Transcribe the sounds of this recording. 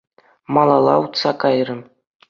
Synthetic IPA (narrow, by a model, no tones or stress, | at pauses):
mɑlˠɑlˠɑ̰ut̪sɑkɑjrɤ̆m